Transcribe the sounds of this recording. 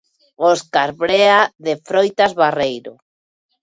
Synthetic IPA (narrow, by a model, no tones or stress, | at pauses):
oskaɾβɾeaðefɾojt̪azβarejɾo̰